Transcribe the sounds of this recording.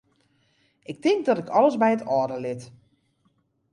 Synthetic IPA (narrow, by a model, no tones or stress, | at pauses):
ʔɪk̚tɪŋɡ̚dɔtɪkʰɔləsbɛjətɔːdəlɪt